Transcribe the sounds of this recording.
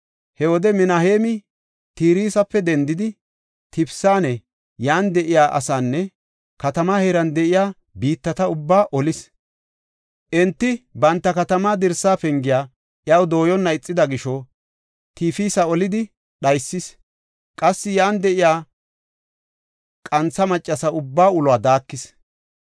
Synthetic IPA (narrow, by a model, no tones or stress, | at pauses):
hɛwɔd̪ɛmɪnɐheːmɪ | t̪iːɾiːsɐpːɛd̪ɛnd̪ɪd̪ɪ | t̪ɪpsaːnɛ | jaːnd̪ɛʔɪjaːʔɐ̰saːnːɛ | kɐt̪ɐmaːheɾɐnd̪ɛʔɪjaː | biːt̪ːɐt̪ɐʊbːaːʔɔlɪs | ʔɛnt̪ːɪbɐnt̪ːɐkɐt̪ɐmaːd̪ɪɾsaːfɛŋɡɪjaː | ʔjɐwd̪o̞ːjɔnːɐɪt͡sʼːɪd̪ɐɡɪʃɔ | t̪iːfiːsɐɔlɪd̪ɪ | ɗɐjsːɪs | kʼɐsːɪjaːnd̪ɛʔɪjaː | kʼɐnt͡sːɐmɐt͡ʃʼːɐsɐʊbːaːʊlʊaːd̪aːkːɪs